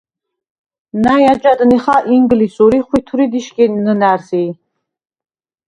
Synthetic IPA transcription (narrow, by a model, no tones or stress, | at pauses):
najad͡ʒʼad̪niχaʔiŋɡlisuɾiχwit̪ʰuɾid̪iʃkʼɛnnənæɾsi